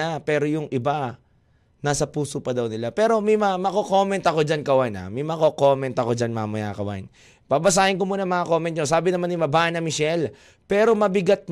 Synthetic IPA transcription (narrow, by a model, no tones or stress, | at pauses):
apɛːɾo̞jʊŋʔɪba | naːsɐpuːsopɐd̪ɐwnɪlapɛːɾo̞mɛjmɐmɐkoko̞ːmɛnt̪ɐko̞d͡ʒankɐwajna̰mɛjmɐkoko̞mɛnt̪ɐko̞d͡ʒanmamɐja̰kɐwa̰n | pabɐs̬aːhɪnkomuːnɐŋmɐŋako̞mɛnt̪ɲos̬aːbɪnɐmanɪmɐbaʔnɐmɪʃɛl | pɛːɾo̞mɐbɪɡat̪̚m